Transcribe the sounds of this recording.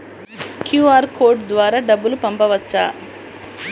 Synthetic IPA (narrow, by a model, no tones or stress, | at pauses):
kjuːaːɾkoːɾɖd̪ʋaːɾaːɖɐbːulupɐmpɐʋɐt͡ʃːa̰ː